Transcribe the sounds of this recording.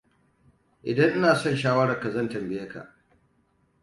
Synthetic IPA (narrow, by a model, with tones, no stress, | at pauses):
ʔɪ̰˨dɐ˦ŋʔɪ˦naː˨sɔ˦˨nʃaː˦wɐ˦ɽɐ˨ka˨zɐ˦˨ntɐ˨mbɪ˦jɐ˦ka̰˨ʔ